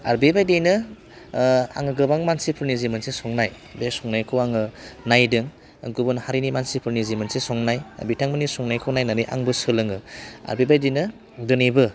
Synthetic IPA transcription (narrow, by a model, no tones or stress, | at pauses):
a̰ɾbebajdejnɯ | a̰ŋɯɡɯbaŋmansipʰɯɾnizimɯnsesɔŋnaj | besɔŋnajkʰɯwaŋɯnajdɯŋ | ɡubɯnhaɾinimansipʰɯɾnizimɯnsesɔŋnaj̰bitʰaŋmɯnisɔŋnajkʰɯwnajnaɾiʔa̰ŋbɯsɯlɯŋɯa̰ɾbebajdejnɯ | dɯnibɯ